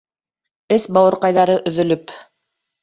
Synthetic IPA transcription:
ɘsbɑwɤ̆ɾqɑjðɑɾɤʔɵ̆ðɵ̆lɵp

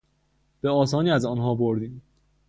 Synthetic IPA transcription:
b̥e̞ɒːsɒːniːæzɒːnɦɒːboɾd̪iːm

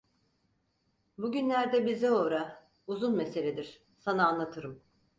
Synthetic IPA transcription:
buɟynlʲæɾd̪ɛbizɛo̞ːɾa | uzunmese̞lʲed̪iɾ̥ | sanaːnlˠat̪ʰɯɾɯm

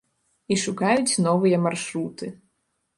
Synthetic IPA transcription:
iʂukajut͡sʲnɔvɨjɐmarʂɾut̪ɨ

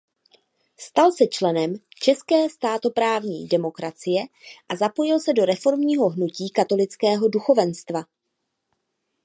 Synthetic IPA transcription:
st̪alsɛt͡ʃlɛnɛmt͡ʃɛskɛːst̪aːt̪o̞pɾaːvɲḭːdɛmo̞kɾat͡sɪjɛʔazapo̞jɪlsɛdo̞ɾɛfo̞ɾmɲiːɦo̞ɦnuciːkat̪o̞lɪt͡skɛːɦo̞duxo̞vɛnst̪va

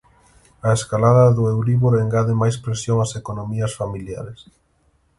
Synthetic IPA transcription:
aeskalaðɐðʊewɾiβoɾeŋɡaðɪmajspɾesjoŋasekonomiɐsfamilja̰ɾes

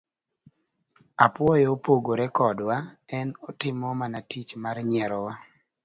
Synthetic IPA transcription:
apwɔjɔopoɡoɾɛkɔdwaɛnɔtɪmɔmanatit͡ʃmarɲɛɾɔwa

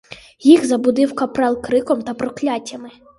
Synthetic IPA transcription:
jixzɐbʊd̪ɪwkɐpɾɛlˠkɾɪkɔmt̪ɐpɾɔklʲatʲːɐmɪ

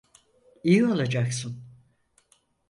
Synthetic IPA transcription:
ijio̞lˠad͡ʒaksɯn

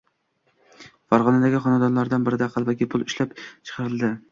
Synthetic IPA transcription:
fɑɾʁɒnad̪aɡʲɪχɒnɑd̪ɒnlˠaɾd̪anbɪɾɪd̪æqʰɑlˠvakʲipʰʊlˠɪʃlapt͡ʃʰɨ̥qʰɑɾɨlˠd̪ɪ

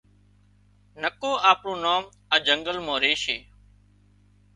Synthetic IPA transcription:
nəkoːaːpɳõːnoːm | əd͡ʒəŋɡəlmõːɾeːʃeː

